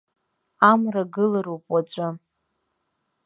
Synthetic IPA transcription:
amraɡɨlaɾowpʼwat͡ɕʷʼa

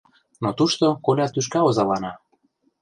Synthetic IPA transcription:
not̪uʃt̪okolʲɑt̪yʃ̬kɑozɑlɑnɑ

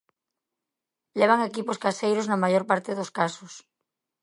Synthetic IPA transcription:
leβ̞aŋekiposkasejɾoznamajoɾpaɾt̪eðoskasos

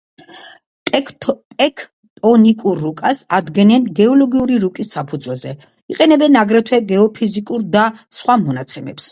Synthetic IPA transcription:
t̪ʼɛkʰ | t̪ʼɔnikʼuɾːukʼasad̪ɡɛnɛnɡɛɔlɔɡiuɾiɾukʼisːapʰud̪zwɛlˠzɛ | iqʼɛnɛbɛnaɡɾɛt̪ʰwɛɡɛɔpʰizikʼuɾd̪asχwamɔnat̪sʰɛmɛ̰ps

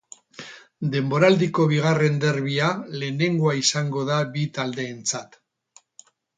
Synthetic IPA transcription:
d̪e̞mbo̞ɾald̪iko̞β̞iɣ̞are̞nd̪e̞ɾβiale̞ːne̞ŋɡoaisaŋɡo̞ðabit̪ald̪e̞ːnt͡sat̪

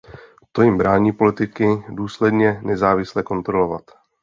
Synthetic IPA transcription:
t̪o̞jɪmbɾaːɲiːpo̞lɪt̪ɪkɪduːslɛdɲɛnɛzaːvɪslɛko̞nt̪ɾo̞lovat̪

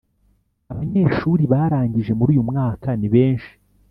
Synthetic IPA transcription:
aβaɲe̞ːʃuːɾiβaːɾaːɲɟiʒe̞muɾuːjumŋaːkaniβe̞ːnʃi̥

